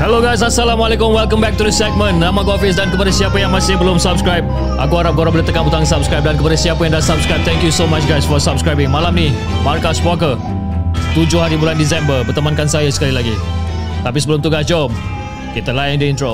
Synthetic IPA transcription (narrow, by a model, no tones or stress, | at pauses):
hɛloɡajs̬asalamalekʊmwɛlkə̃mbɛk̚tudəsɛk̚mə̃nːãmãkɔfɪs̬dankəpadasiapəjaŋmãsɪhbəlʊmsap̚skɹajb̚ | ʔa̰kuaɾap̚ɡoɾabələt̪əkãnbut̪aŋsapskɹajp̚dankəpadasiapajãŋdasab̚skɹajp̚t̪ʰɛ̃ŋkjusomat͡ʃɡajsfɔsab̚skɹajbɪ̃ŋmalamni | markaswɔkə | t̪ud͡ʒʊhaɾibulandis̬ɛ̃mbəbərt̪əmankansajasə̥kalilaɡi | t̪apisəbəlʊmt̪uɡasd͡ʒɔm | kit̪əlaj̃ŋdəintɹo